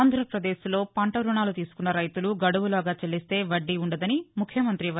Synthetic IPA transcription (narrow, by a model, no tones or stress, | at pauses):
nd̪ʱɾɐpɾɐd̪e̞ːslo̞ːpɐɳʈɐɾuɳaːlut̪iːsu̥kunːɐɾɐjt̪uluɡɐɽuʋulaːɡaːt͡ʃɐɭːist̪e̞ːʋɐɖːiuɳɖɐd̪ɐnimukʰjɐmɐnt̪ɾiʋɐ